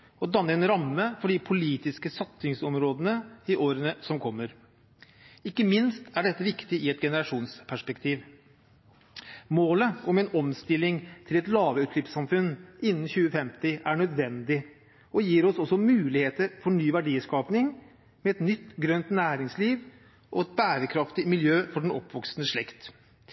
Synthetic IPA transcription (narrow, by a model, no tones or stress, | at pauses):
ɔd̪ɑnːəɛnɾɑmːəfɔɖɪpʰʊliːt̪ɪskəsɑt̪sɪŋsɔmɾoːd̪ənəɪʔoːɾənəsɔmkʰɔmːəɾ | ɪkːəmɪnst̪æɖɛt̪ːəʋɪkt̪ɪʔɪɛt̪ɡɛnəɾɑʂuːnspʰæʂpɛkt̪ʰiːʋ | moːləɔmɛnɔmst̪ɪlːɪŋt̪ʰɪlɛt̪lɑːʋəʉːt̪lʏpsɑmfʉnɪnːn̩çʉːəfɛmt̪ɪæɳœd̪ʋɛnd̪ɪ | ɔjiːɾɔsɔsːɔmʉːlɪheːt̪əɾfɔɳyːʋæɖiːskɑːpnɪŋ | mɛːɛt̪nʏt̪ːɡɾœnt̪næːɾɪŋsliːʋ | ʔɔɛt̪̚bæːɾəkʰɾɑft̪ɪmɪljøːfɔɖɛnɔpːʋɔksnəʂɭɛkt̪